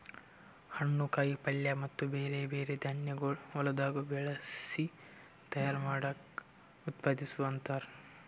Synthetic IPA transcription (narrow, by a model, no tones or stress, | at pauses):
hɐɳːukɐjipɐljɐmɐt̪ːubeːɾebeːɾed̪ʱɐɳjɐɡɐɭɔlɐd̪aːɡubɛɭɐsi | t̪ɐjaːɾmaːɽɐk | ut̪paːd̪isuʋɐnt̪aːɾ